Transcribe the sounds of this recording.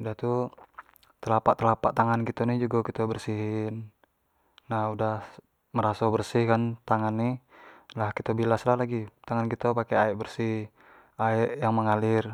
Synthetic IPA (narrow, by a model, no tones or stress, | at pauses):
daht̪u | t̪əlapaʔt̪əlapaʔt̪aŋankit̪onihd͡ʒuɡakit̪abərsiɦɪnː | ahudah | məɾasabərsihkant̪aŋanːihlahkit̪obilaslahlaɡit̪aŋankit̪opakɛaɛʔbərsih | aɛʔjaŋməŋalɪr